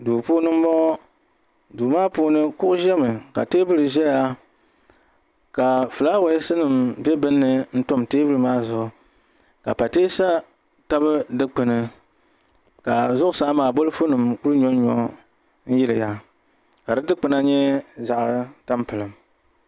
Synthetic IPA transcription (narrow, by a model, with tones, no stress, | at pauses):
duː˨puː˦nɨ˦m̩˦bɔ˦ | duː˨maː˦puː˦nɨ˦kʊ˦ʔʊ˦ʒɛ˦mɨ˨ka̰˨teː˦bɨ˦lɨ˨ʒɛ˦ja˦ | ka˨fɨ˨la˦wa˦ɪ˦sɨ˦nɨ˨mbɛ˦bɨ˦nːɨ˦n̩˦tʊ˦mteː˦bɨ˦lɨ˨maː˦zʊ˦˨ʔʊ˨ | ka˨pa˨teː˦sa˦ | ta˦bɨ˦dɨ˦k͡pɨ˨nɨ˦ | ka˨zʊ˦ʔʊ˦saː˨˦maː˨bo˦lɨ˦fo˦nɨ˨mku˦lɨ˦ɲɔ˦ɲɔ̰˦ | n̩˦jɪ˦lɨ˨ja˦ | ka˨dɨ˦dɨ˦k͡pɨ˦na˦ɲɛ˦za˨ʔta˦mpɨ˨lɨ˨m